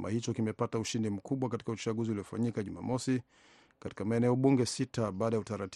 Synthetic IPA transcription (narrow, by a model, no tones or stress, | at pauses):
ma̰hit͡ʃɔkimɛpatauʃindim̩kuɓwakati̥kaut͡ʃaɠuziuliɔfaɲikaʄuma̰mɔsi | kati̥kamaɛnɛɔɓuŋɡɛsitaɓaːɗajautaɾat